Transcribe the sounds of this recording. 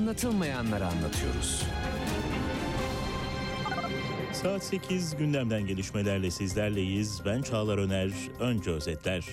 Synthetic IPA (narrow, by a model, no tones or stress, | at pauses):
nlˠat̪ʰɯlˠmajanlˠaɾanlˠa̰t̪ʰɯjo̞̰ɾṵz̥ | saːt̪se̞cʰizɟynlʲæmd̪ænɟe̞lʲiʃme̞lʲæɾlʲɛsizlʲæɾlʲejizbænt͡ʃʰaːlˠaɾø̞næɾ | ø̞nd͡ʒɛøzɛt̪ʰlʲæɾ̥